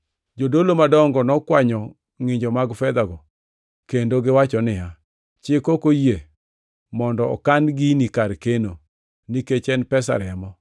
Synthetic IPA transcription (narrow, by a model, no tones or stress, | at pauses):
d͡ʒodolomadɔŋɡɔnɔkwaɲɔ | ŋɪɲd͡ʒɔmaɡfɛd̪aɡɔ | kendoɡɪwat͡ʃɔnɪɦa | t͡ʃɪkokoje | mɔndɔɔ̰kanɡinikaɾkeno | niket͡ʃɛnpɛsa̰ɾɛmɔ